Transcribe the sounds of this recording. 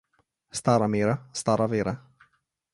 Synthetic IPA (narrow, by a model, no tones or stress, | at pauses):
st̪aɾameːɾast̪aɾaveːɾa